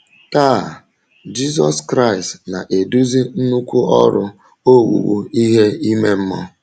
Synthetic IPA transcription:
ka˦˨ | d͡ʒi˦zɔ˦skɾa˦˨ɪ˨stna̰˨ʔe˨du˦zi˦n̩˦nu˦kʷu˦ɔ˦ɾʊ˦ | o˦wṵ˨wṵ˦i˦ɦe˦i˦me˦m̩˦mɔ˦

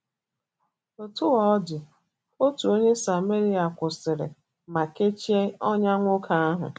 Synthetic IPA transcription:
o˨tʊ˦wɔ˦ɔ˦dɪ˨ | o˦tu˨o˦ɲe˦sa˨me˦ɾi˦a˨kʷʊ˨sɪ˨ɾɪ̰˨ | ma˨ke˦t͡ʃi˦e˦ɔ˦ɲa˦ŋʷʊ˦kʰa˦a˦ɦʊ̰˨

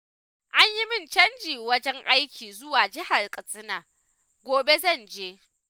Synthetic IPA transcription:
ʔa˦ɲji˦mɪ˦nt͡ʃɐ˦nd͡ʒiː˨wɐ˦d͡ʒɛ˦ŋʔa˦jkʲiː˨zʊ˦waː˨d͡ʒɪ˦ha˨rkʼɐ˨sʼɪ˦naː˨ | ɡʷoː˨be˦zɐ˦˨nd͡ʒeː˦

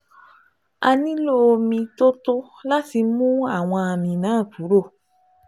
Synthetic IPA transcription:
a˧nĩ˦lo˦˨˧mĩ˧to˦to˦ | la˦ti˧mũ˦a˦˨w̃ɔ̃˧a˨mĩ˧nãː˨˦˨ku˨˦ɾo˦˨

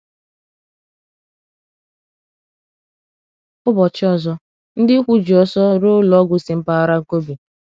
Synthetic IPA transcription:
ʊ˦bɔ˨t͡ʃɪ˦ɔ˦˨zɔ˦ | n̩˦dɪ˦kʷu˦d͡ʒi˨ɔ˨sɔ˦ɾo˦lɔ˨˦ɡʷʊ˨si˨m̩˦pa˦a˦˨ɾa˦ŋ̩˦ko˦bi˨

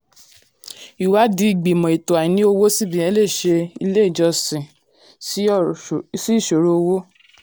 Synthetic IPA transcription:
i˨wa˨˦di˦i˦˨ɡ͡bi˨mɔ̃˨i˨to˨a˨ĩ˨˦nĩ˦o˧wo˦si˦˨bĩ˨˦j̃ɛ̃˨˦le˦˨ʃe˧i˧le˦i˦˨d͡ʒɔ˧sĩ˨ | s | si˦˨ʃo˨ɾo˧o˧wo˦

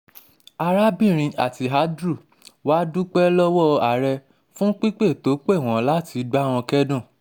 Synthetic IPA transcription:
a˧ɾa˦bĩ˦˨ɾ̃ĩ˧ʔa̰˨ti˧ɦa˨˦dɾu˦˨ | wa˦du˦k͡pɛ˦lɔ˦wɔ˦a˨ɾɛ˧ | fũ˦k͡pi˦k͡pe˦˨to˨˦k͡pe˦˨w̃ɔ̃˨la˦ti˧ɡ͡ba˦˨w̃ɔ̃˧kɛ˦dũ˦˨

